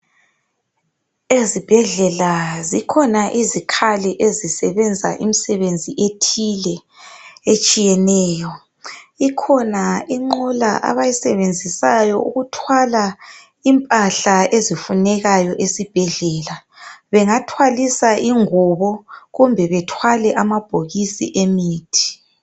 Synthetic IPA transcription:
ezib̥ʱɛɮɛlazikʰɔnaʔizikʰaliʔezisɛβɛnd͡zʱa̰ʔimisɛβend͡zʱiʔetʰilɛ | et͡ʃʼijɛnɛːjɔ | ikʰɔnaiŋ͡ǃula̰ʔa̰βajisɛβend͡zʱisajɔʔṵɣutʰwala | impʼaɬaezifunɛɣajɔʔesib̥ʱɛɮɛːla | βɛŋatʰwalisaʔiŋuβɔɣumbʱɛβɛtʰwalɛʔamab̥ʱoɣisḭʔemiːtʰi̥

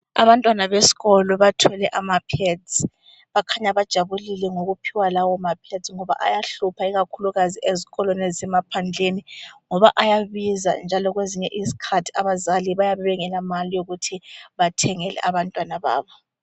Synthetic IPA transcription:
a̰βantʼwanaβesi̥ɣɔlɔβatʰɛlɛʔamapʰɛdd͡zi | βakʰaɲaβad̥ʒ̥ʱaβulilɛŋoɣupʰiwalawɔmapʰɛdt͡sŋɔβa̰ʔa̰jaɬupʰaiɣakʰuluɣaziʔeziɣɔlɔnɛzɛmapʰand͡ɮʱeniŋɔβa̰ʔajaβiza̰nd͡ʒʱalɔɣweziɲɛ̰ʔizikʰatʰi̥aβazaliβajaβɛβɛŋɛlamalijoɣutʰiβatʰɛŋɛlʔɛ̰ʔaβantʼwanaβa̰ːβɔ

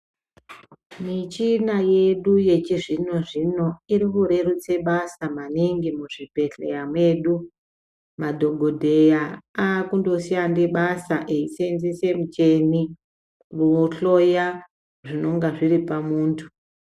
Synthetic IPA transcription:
mit͡ʃinaje̞ɗuje̞t͡ʃiʐino̞ʐino̞iɾikuɾe̞rut͡se̞ɓasamaniŋɡimuʐipe̞ɬḛjamweɗu | madʱo̞ɡʱo̞dʱe̞jaaːkundo̞siandeɓasaʔeisenzise̞mut͡ʃeni | ruoɬo̞ja | ʐino̞ŋɡaʐiripamuːntʰu̥

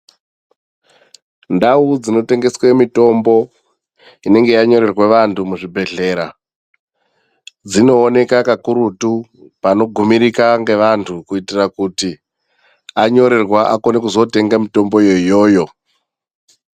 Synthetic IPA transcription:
ndaud͡zino̞te̞ŋɡe̞swemito̞mbo̞ | ine̞ŋɡe̞jaɲo̞ɾe̞rweʋantʰumuʐibʱe̞ɮe̞ːɾa | d͡zino̞ːne̞kakakuɾutu | pano̞ɡʱumiɾikaŋɡe̞ʋantʰukuitirakuti | aɲo̞ɾe̞rwaʔako̞nekuzo̞te̞ŋɡamito̞mbo̞joijo̞ːjo̞

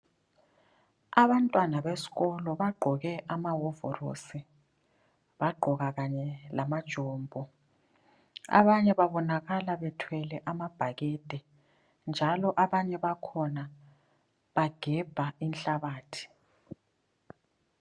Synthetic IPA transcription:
aβantʼwanaβesi̥ɣɔlɔβaɡ͡ǃʱɔɣɛʔamawɔvɔ̰ro̰si | βaɡ͡ǃʱɔɣaɣaɲɛlamad̥ʒ̥ʱɔːmbʱɔ | a̰βaɲɛβaβɔnaɣalaβɛtʰwɛlɛʔamab̥ʱaɣɛd̥ʱɛ | nd͡ʒʱalɔʔaβaɲɛβakʰɔna | βaɡ̥ʱɛb̥ʱainɬaβaːtʰi̥

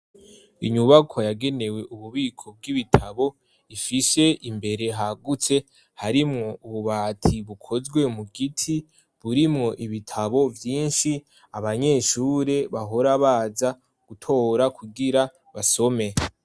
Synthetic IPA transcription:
iɲuβakʰojaɡe̞ne̞we̞ʔuβuβiːkʰo̞b̚ɡiβitʰaβo̞ | ifise̞imbe̞ɾe̞ɦaɡut͡se̞ | haɾimŋo̞uβuβaːtʰiβukʰo̞zɡwe̞muɡitʰi | βuɾimŋo̞ʔiβitʰaβo̞vjiːnʃi | aβaɲe̞ːʃuːɾe̞βaɦo̞ɾaβaːza | ɡ̥utʰo̞ːɾakʰuɡiɾa | βaso̞me̞

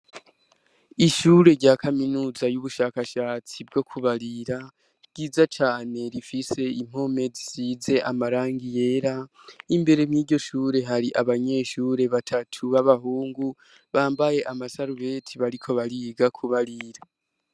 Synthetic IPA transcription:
iʃuɾe̞ɾɟaːkʰaminuːzajuβuʃaːkaʃaːt͡sib̚ɡo̞kʰuβaɾiɾa | ɡ̥iːzat͡ʃaːne̞ɾifise̞im̥ho̞me̞zisiːze̞ʔamaɾaːŋɡije̞ːɾa | imbe̞ɾemɲiːɟɟo̞ʃuːɾe̞ɦaɾiʔaβaɲe̞ːʃuːɾe̞βatʰatʰuβaβaɦuːŋɡu | βaːmbaje̞ʔamasaɾuβe̞tʰiβaɾikʰo̞βaɾiɡakʰuβaɾiɾa

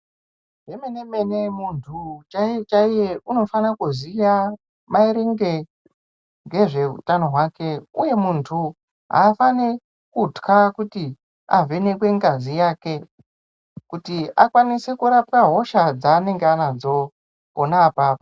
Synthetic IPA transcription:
ɦemene̞me̞nemuntʰut͡ʃaet͡ʃaijeʔuno̞fanakuzija | maiɾeŋɡe | ŋɡe̞ʐe̞ɦṵtano̞ɦwaːke̞uje̞muntʰu | ɦa̰ːfane | kutkakuti | a̰ve̞ne̞kwe̞ŋɡazijaːke | kutiakwanise̞kuɾap̚kaɦo̞ʃad͡zaːne̞ŋɡeanad͡zo̞ | konaːpaːpo

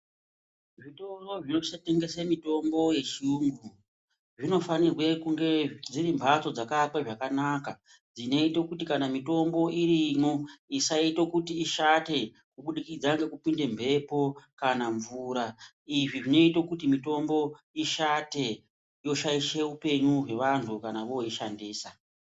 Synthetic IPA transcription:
ʐito̞ro̞ʐinoʃate̞ŋɡe̞semito̞mbo̞je̞t͡ʃiuŋɡu | ʐino̞fanirwe̞kuŋɡe̞d͡ziɾimbʱat͡so̞d͡zakakwaʐakanaka | d͡zine̞itokutikanamito̞mbo̞irimoisaito̞kutiːʃate̞ | kuɓuɗikid͡zaŋɡe̞kupinde̞mbʱe̞po̞kanaɱvuːɾa | iʐiʐino̞ito̞kutimito̞mbo̞ | iʃate̞ | jo̞ʃaiʃe̞upe̞ɲuɦe̞ʋantʰukanaʋoiʃandiːsa

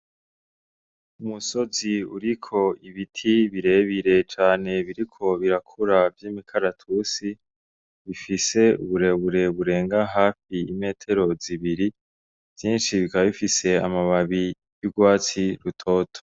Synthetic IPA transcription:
umuso̞ziuɾikʰo̞iβitʰiβiɾe̞ːβiɾe̞t͡ʃaːne̞βiɾikʰo̞βiɾakʰuɾavjiːmikʰaɾatʰuːsi | βifise̞ṵβuɾe̞βuɾe̞βuɾe̞ːŋɡaɦaːfiːme̞ːtʰe̞ɾo̞ziβiɾi | v̥jiːnʃiβikaβaβifise̞a̰maβaβi | juɡwaːt͡siɾutʰo̞ːtʰo̥

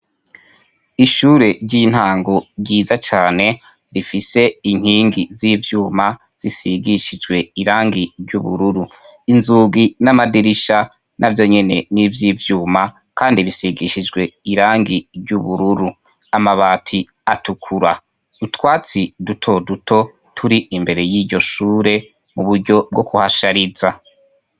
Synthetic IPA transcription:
iʃuːɾe̞ɾɟiːn̥haːŋɡo̞ɾɟiːzat͡ʃaːne̞ | ɾifise̞iŋ̥iːŋɡiziːvjuːma | z̥isiɡiʃid͡ʒɡwe̞iɾaːŋɡiɟuβṵɾuɾu | inzuːɡinamadiɾiʃa | nʔavjo̞ɲe̞ne̞niːvjiːvjuːma | kaːndiβisiɡiʃid͡ʒɡwe̞iɾaːŋɡiɾɟuβuɾuɾu | amaβaːtʰi | atukʰuɾa | utwaːt͡sidutʰo̞dutʰo̞ | tʰuɾiimbe̞ɾe̞jiːɟo̞ʃuːɾe̞ | muβuɾɟo̞b̚ɡo̞kuhaʃaɾiza

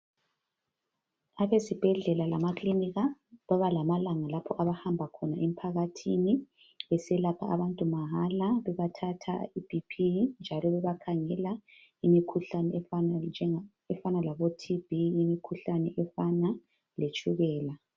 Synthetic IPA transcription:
aβesib̥ʱɛɮɛlalamakliniɣaβaβalamalaŋalapʰɔʔaβahambʱakʰɔnaʔem̩pʰaɣatʰini | ɛsɛlapʰa̰ʔaβantʼumaɦalaβɛβatʰatʰa̰ib̥ʱipʰind͡ʒʱalɔβɛβakʰaŋɛla | imikʰuɬanɛɛ | ɛfanalaβotʰiv̥iːmikʰuɬanɛʔɛfana | let͡ʃʼuɣɛːla

